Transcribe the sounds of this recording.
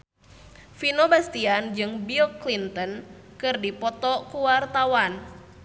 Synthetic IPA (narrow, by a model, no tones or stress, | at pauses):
finobast̪iand͡ʒɨŋbiɔklint̪ɔn | kɨrdipɔt̪ɔkuwart̪awan